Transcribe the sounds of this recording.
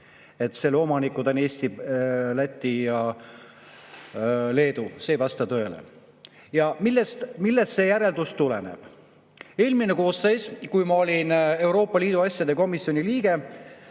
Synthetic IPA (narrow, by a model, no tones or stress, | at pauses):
e̞t̪ːˑse̞lːo̞mɑnikːˑud̪ɑneːsʲt̪ilæt̪ʲˑːijɑ | le̞ːd̪use̞ːjvɑst̪ɑt̪ø̞elḛ | jɑmilːest̪milːest̪se̞jæɾe̞ld̪ust̪ulḛnḛb̥ | e̞ːlmine̞ko̞ːsːejskujmɑo̞lʲine̞wɾo̞ːpːˑɑliːd̪uɑsʲjɑd̪̥e̞ko̞misjo̞nʲiliːɡe̞